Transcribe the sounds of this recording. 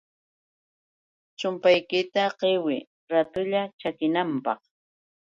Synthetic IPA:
t͡ʃʊmpajkɪt̪aɢewɪ | ɾat̪ʊʎat͡ʃakɪnampɑ̰χ

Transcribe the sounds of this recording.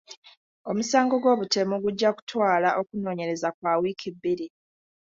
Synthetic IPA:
o̞musaːŋɡo̞ɡwo̞ːβute̞muɡuɟːaku̥twaːlaʔo̞kuno̞ːɲe̞ɾe̞zakwaːwiːkibːiɾi

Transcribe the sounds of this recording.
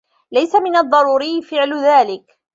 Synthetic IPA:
lajsamɪnɑðˤːɑɾˤuːɾɪjːfɪʕlʊðaːlɪk

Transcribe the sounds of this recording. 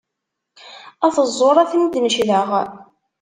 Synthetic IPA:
æθəzˤːoɾˤæθnd̪nəʃðəʁ

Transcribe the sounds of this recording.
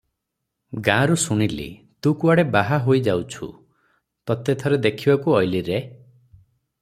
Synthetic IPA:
ɡãɾusuɽ̃ilḭ | t̪ũkuaɽebaɦaɦojd͡ʒawt͡ʃʰṵ | t̪ɔt̪et̪ʰɔɾed̪ekʰibakuɔjliɾe

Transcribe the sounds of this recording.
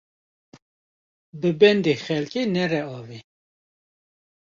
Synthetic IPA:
bəbɛnd̪exɛlkʼenɛrɛɑvi

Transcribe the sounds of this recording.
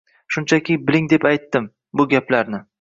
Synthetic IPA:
ʃʊnt͡ʃʰakʲɪbɪlɪŋd̪e̞pajt̪ːɪm | bʊɡʲaplaɾnɪ

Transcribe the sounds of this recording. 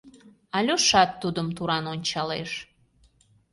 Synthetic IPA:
ɑlʲoʃɑt̪ːud̪əmt̪uɾɑnonʲt͡ɕɑlḛʃ

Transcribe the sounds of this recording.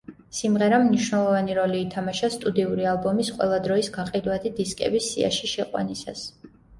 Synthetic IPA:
simʁɛɾamniʃwnɛlˠɔvaniɾɔliːt̪ʰamaʃast̪ʼud̪iuɾialˠbɔmisqʼwɛ̰lˠad̪ɾɔisɡaqʼid̪wat̪ʰid̪iskʼɛ̰bisːia̰ʃiʃɛqʼwa̰nisa̰s

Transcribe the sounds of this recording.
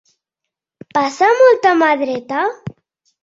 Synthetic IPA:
pasamɔlt̪amaðɾet̪a

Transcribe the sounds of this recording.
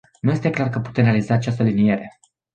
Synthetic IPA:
nuje̞st̪eklarkəpu̥t̪e̞mrealizaːt͡ʃast̪əlinije̞ɾe̞

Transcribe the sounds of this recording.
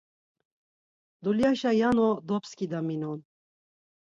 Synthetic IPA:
d̪uljaʃajanɔd̪ɔpskʼid̪aminɔn

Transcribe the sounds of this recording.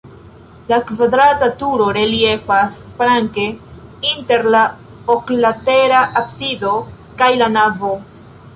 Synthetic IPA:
lakvadɾatatuɾo̞ɾe̞lie̞fasfɾaŋke̞inte̞ɾla | oklate̞ɾaʔapsido̞ | kajlanavo̞

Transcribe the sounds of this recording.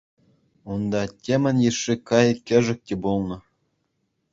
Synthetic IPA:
und̪ɑtʲemʲɘ̆nʲjɘʂːikɑjkʲɘ̆ʐɘ̆k̚ʲtʲĕbulˠnɤ̆

